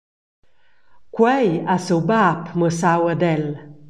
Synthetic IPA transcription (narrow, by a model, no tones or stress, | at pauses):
kwɛjasəwbapməsawad̪ɛl